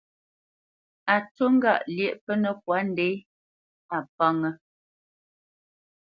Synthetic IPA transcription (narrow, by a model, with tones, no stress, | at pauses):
a˨to˦ŋ̩˦ɡa̰˦˨ʔljɛ˦˨ʔpə˦nə˨k̚wa˨˦n˦dɛ˨˦j | a˨p̚a˦ŋə˦